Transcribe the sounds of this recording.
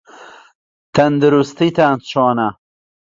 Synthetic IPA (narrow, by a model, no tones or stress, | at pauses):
t̪ɐnd̪əɾust̪it̪ant͡ɕʰɑːna